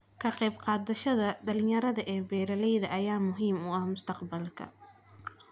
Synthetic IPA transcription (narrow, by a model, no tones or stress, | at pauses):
kʰɐqɛjbqɑːd̪ɐʃɐðɐɖɐlɪjɐɾɐðɐʔɛːbɛːɾɐlɛjðɐʔɐjaːmʊɦiːmʊɐhmʊst̪ʰɐqbɐlkʰɐ̰